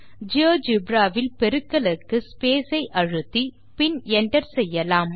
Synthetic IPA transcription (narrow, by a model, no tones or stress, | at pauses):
d͡ʒoːd͡ʒɪbɾaːʋɪlpɛɾɯkːɐlɯkːɯspeːsɐɪʔɐɻɯt̪ːi | pɪnɛɳɖɐɾsɛjːɐlaːm